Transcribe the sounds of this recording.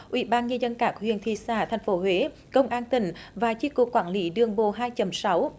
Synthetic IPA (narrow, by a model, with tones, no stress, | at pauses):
ʔwḭ˧˩˦ɓaː˧nɲə˧zə˧nkaː˧˩kwḭ˧˨ənt̪ʰi˧˩saː˧˩t̪ʰɛ˨˩jŋ̟fo˨˦ɦwe˨˦ | kə˧wŋ͡mʔaː˧nt̪ï˧˩ŋ̟vaː˨˩t͡ɕi˧˥ku˨˩kːwaː˧˩nli˨˦ɗɨ˧˩əŋɓo˧˨ɦaː˧jt͡ɕə˨˦msa˨˦w